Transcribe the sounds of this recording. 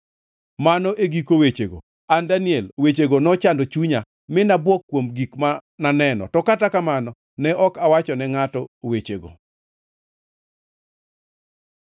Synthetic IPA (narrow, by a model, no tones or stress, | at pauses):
manɔʔeɡikowet͡ʃeɡo̰ | andaniɛlwet͡ʃeɡonɔt͡ʃandot͡ʃuɲa | mɪnabwɔkːwomɡikmananɛnɔ̰tɔkatakamanɔ | nɛʔɔkawat͡ʃɔnɛŋatɔwet͡ʃḛɡo̰